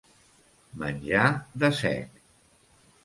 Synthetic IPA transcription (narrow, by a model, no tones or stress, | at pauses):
mə̰nʲʒaðəsɛ̰k